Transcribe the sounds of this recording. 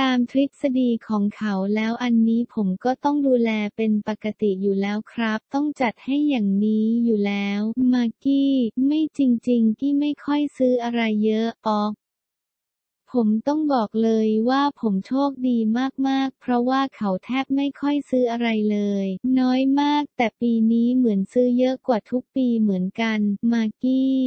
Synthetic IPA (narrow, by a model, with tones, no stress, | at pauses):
t̪aː˧mt̪ʰɾi˦˥t̪̚sa˧diː˧kʰɔː˩˦ŋkʰa˩˦wlɛː˦˥wʔa˧nːiː˦˥pʰo˩˦mkɔː˥˩t̪ɔ˥˩ŋduː˧lɛː˧pe˧npa˨˩kːa˧t̪i˨˩juː˨˩lɛː˦˥wkʰɾa˦˥p̚t̪ɔ˥˩ŋt͡ɕa˨˩t̪̚ha˥˩jːaː˨˩ŋniː˦˥juː˨˩lɛː˦˥wmaː˧kiː˥˩ma˥˩jt͡ɕi˧ŋt͡ɕi˧ŋkʰiː˥˩ma˥˩jkʰɔ˥˩jsɯː˦˥ʔa˧ɾa˧jːɤ˦˥ʔɔː˦˥k̚ | pʰo˩˦mt̪ɔ˥˩ŋbɔː˨˩k̚lɤː˧jwaː˥˩pʰo˩˦mt͡ɕʰoː˥˩k̚diː˧maː˥˩k̚maː˥˩k̚pʰɾɔ˦˥waː˥˩kʰa˩˦wt̪ʰɛː˥˩p̚ma˥˩jkʰɔ˥˩jsɯː˦˥ʔa˧ɾa˧jlɤː˧jnɔː˦˥jmaː˥˩k̚t̪ɛː˨˩piː˧niː˦˥mɯ˩˦ənsɯː˦˥jɤ˦˥ʔkwaː˨˩t̪ʰu˦˥k̚piː˧mɯ˩˦ənka˧nmaː˧kiː˥˩